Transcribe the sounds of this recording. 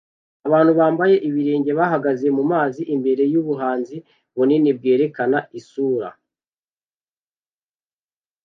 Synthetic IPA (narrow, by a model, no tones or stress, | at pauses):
aβaːn̥huβaːmbaje̞ʔiβiɾeːɲɟe̞βaɦaɡaze̞mumaːziʔimbe̞ɾe̞juβuɦaːnzi | βuninib̚ɡe̞ːɾe̞kanaisuːɾa̰